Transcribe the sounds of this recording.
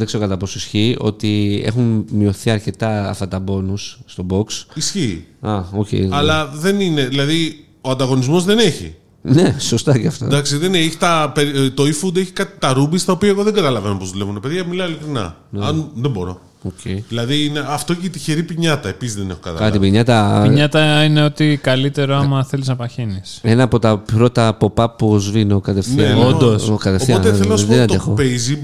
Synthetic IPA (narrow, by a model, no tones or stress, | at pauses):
ðekse̞ɾokɐt̪ɐpo̞soisçio̞̰t̪ie̞̰xunmio̞θiɐɾce̞t̪ɐ̰ːft̪ɐt̪ɐbo̞nusːt̪o̞bo̞ksisçiːɐocḛjɐlɐðe̞nine̞ðilɐði | o̞ɐnd̪ɐɣo̞nizmo̞zðe̞ne̞çḭ | neso̞st̪ɐceɐft̪o̰d̪ɐksiðeneeçit̪ɐpeɾt̪oifud̪eçi̥kɐt̪i̥t̪ɐɾubist̪ɐo̞piɐeɣo̞ðeɡɐt̪ɐlɐve̞no̞pozðule̞vunt̪ɐpe̞ðʝɐmilɐilikɾinɐ̰nɐnðebo̞ɾo̞̰ | ocʰejðilɐðiineɐft̪o̞içet̪içeɾipiɲɐt̪ɐepisizðenexokɐt̪ɐɐɐt̪ibiɲɐt̪ɐpiɲɐt̪ɐine̞o̞t̪ikɐlit̪e̞ɾoɐmɐθe̞liznɐpɐçenisenɐːpo̞t̪ɐpɾo̞t̪ɐpo̞pɐpuzvinokɐt̪efθnieond̪osokɐt̪eoθiot̪eθelonɐsðenɐt̪oexo̞pejzi